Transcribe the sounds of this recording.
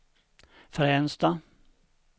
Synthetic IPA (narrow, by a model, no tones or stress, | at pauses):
fɾɛnst̪a